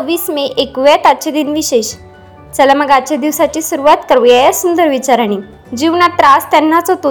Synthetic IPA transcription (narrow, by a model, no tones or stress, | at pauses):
ʋiːsmeʔekʋɛt̪at͡ɕed̪iːnʋiɕeɕ | d͡zalaməɡat͡ɕad̪iʋsat͡ɕiːsuɾuʋat̪kəɾʋjajasund̪əɾʋit͡ɕaɾaɽ̃i | d͡ʑiʋnat̪ɾast̪ɛnːat͡sɔt̪o